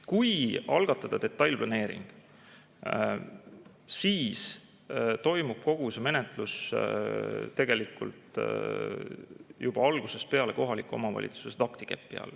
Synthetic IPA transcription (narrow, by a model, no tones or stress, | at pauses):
kujɑlɡ̥ɑt̪ːˑɑd̪̥ɑd̪̥e̞t̪ːˑɑjlʲplɑne̞ːɾḭŋɡ̥ | siːs | t̪o̞jmub̥ko̞ɡ̥useme̞net̪ˑlus | t̪ːe̞ɡ̥e̞likːˑṵlt̪ | jub̥ɑɑlɡ̥use̞spe̞ɑle̞ko̞ɦɑlikːˑuo̞̰mɑvɑ̰lʲʔḭt̪su̥sest̪ɑkt̪i̥kḛpːˑiɑ̰l